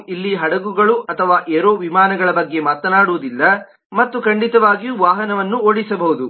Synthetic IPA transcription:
ilːiɦɐɽɐɡuɡɐɭuʔɐt̪ʰɐʋaːʔeːɾo̞ːʋimaːnɐɡɐɭɐbɐɡːe̞maːt̪ɐnaːɽuʋud̪ilːɐ | mɐt̪ːukɐɳɖit̪ɐʋaːɡijuʋaːɦɐnɐʋɐnːuoːɽisɐbɐɦud̪u

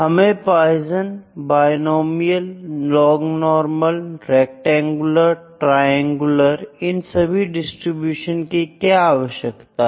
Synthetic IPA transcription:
ɦɐmẽpaːjzənbaːjnoːmijəllɔːɡnɔːɾməlɾɛːk̚ʈɛ̃ːŋɡʊləɾʈɾaːjɛ̃ŋɡʊləɾɪnsɐbʱiɖɪsʈɾibjuːʃənkikjaaːʋəʃjəkt̪a

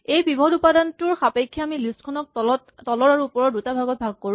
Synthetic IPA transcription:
ejbibʱɔdupadantuɹxapekʰːiaamilistkʰɔnɔk̚ɔttɔlɔɹaɹuːpɔɹɔdutabʱaɡɔt̚bʱaɡ̚koɹ̃

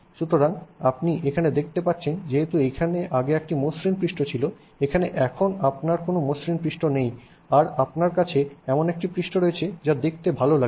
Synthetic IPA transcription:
ʃut̪oɾaŋapniʔekʰaned̪ek̚ʰt̪epatːɕʰend͡ʑeɦet̪uekʰaneʔaɡeɛk̚ʈimoʃɾinpɾiʃʈot͡ɕʰilo | ekʰaneʔɛkʰonapnaɾkonomosɾinpɾiʃʈonej | aɾapnaɾkat͡ɕʰeɛmonek̚ʈipɾiʃʈoɾojet͡ɕʰed͡ʑad̪ek̚ʰt̪ebʱalola

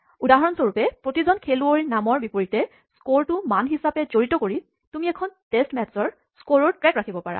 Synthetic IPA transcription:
udaɦɔɹɔnsoɹupɛpɹotizɔnkʰeluoɹinamɔɹbipoɹitɛ | skoɹtʊmanɦisapɛzoɹitɔkoɹi | tumiɛkʰɔntestmɛtsɔɹ | skoɹoɹtɹɛkɹakʰibɔpaɹa̰

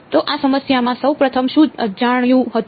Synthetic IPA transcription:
t̪oʔasəməsjamãsəwpɾət̪ʰəmʃũd͡ʒaɽ̃jũɦət̪

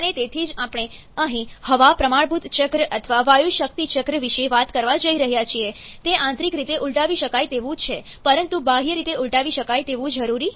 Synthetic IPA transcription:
ənet̪et̪ʰid͡ʒapɽ̃e | əɦĩhəʋapɾəmaɳbʱut̪t͡ʃəkɾəʔət̪ʰəʋaʋajuʃək̚t̪it͡ʃəkɾəʋiʃeʋat̪kəɾʋad͡ʒəiɾəɦjat͡ʃʰiet̪eʔãnt̪ɾikɾit̪eʔuɭʈaʋiʃəkajt̪eʋũt͡ʃʰe | pəɾənt̪ubaɦijəɾit̪euɭʈaʋiʃəkajt̪eʋũd͡ʒəɾuɾi

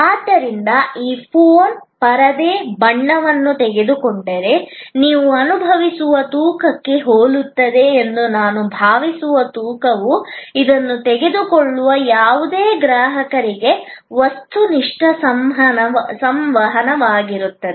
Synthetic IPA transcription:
aːd̪ːɐɾind̪ɐiːpʰoːnpɐɾɐd̪eːbɐɳːɐʋɐnːut̪ɛɡe̞d̪ukoɳɖɐɾe̞niːʋuɐnubʱɐʋisuʋɐt̪uːkɐkːe̞ɦoːlut̪ːɐd̪e̞ːnd̪unaːnubʱaːʋisuʋɐt̪uːkɐʋuid̪ɐnːut̪ɛɡe̞d̪ukoɭːuʋɐjaːʋud̪eːɡɾaːɦɐkɐɾiɡe̞ʋɐst̪uniʂʈɐsɐmɦɐɐsɐmʋɐɦɐnɐʋaːɡiɾut̪ːɐd̪ee

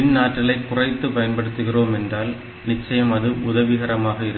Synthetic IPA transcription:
ɪnnaːʈɾɐɭɐɪkːʊrɐɪt̪ːɯpɐjɐnpɐɽɯt̪ːɯɣɪroːmɛndraːl | nɪt͡ʃːɐjɐmɐðɯʔʊðɐʋɪɣɐɾɐmaːɣɐɪɾɯ

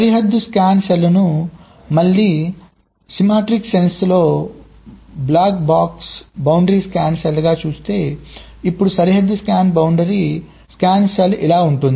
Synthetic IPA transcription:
sɐɾiɦɐd̪ːuskaːnselːɐnu | mɐɭːiː | simaːʈɾiksenslo̞ː | blaːkbaːksbɐwɳɖɐɾiːskaːnselːɐɡaːt͡ʃuːst̪e̞ːipːuɽusɐɾiɦɐd̪ːuskaːnbɐwɳɖɐɾi | skaːnselilaːuɳʈund̪i

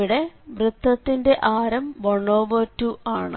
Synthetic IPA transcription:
uɽe̞ʋrɨt̪ːɐt̪ːinde̞ʔaːɾɐmʋɐɳːoːʋɐtːuʔaːɳɨ̰

